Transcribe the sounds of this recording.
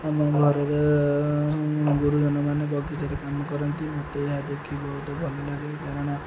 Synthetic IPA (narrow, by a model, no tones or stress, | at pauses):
amɔɡʱɔɾeɾe | ɡuɾud͡ʒɔnɔmanebɔɡit̪aɾekamɔkɔɾɔnt̪imɔt̪eɦad̪ekʰibɔɦut̪ɔbʱɔlɔlaɡekaɾɔɽ̃ɔ